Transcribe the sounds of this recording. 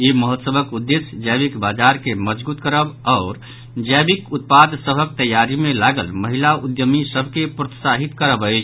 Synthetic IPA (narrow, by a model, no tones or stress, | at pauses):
iməɦət̪səbəkud̪ːesd͡ʒəbikbad͡ʒaɾkeməd͡ʒbut̪kəɾəbɔʊɾ | d͡ʒəbikut̪̚pad̪səbʱək̚t̪əjːaɾimẽlaɡəlməɦilaud̪jəmisəbʱkepɾət̪saɦit̪kəɾəbəɪt͡ʃʰ